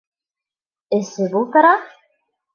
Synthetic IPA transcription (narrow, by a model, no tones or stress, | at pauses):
ɘ̆sɘbulˠt̪ɤ̆ɾɑ